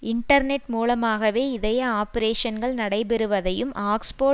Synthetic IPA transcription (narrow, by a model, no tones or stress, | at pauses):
ɪɳʈɐɾnɛʈmuːlɐmaːɣɐʋeːɪðɐjɐaːpɐɾeːʂɐnɡɐɭnɐɽɐɪbɛɾɯʋɐðɐjɯmʔaːkspoː